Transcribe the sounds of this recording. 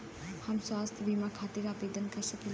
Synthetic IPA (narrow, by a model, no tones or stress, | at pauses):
hamswast̪ʰbʱimakʰat̪iɾabed̪ənkɐɾsəkil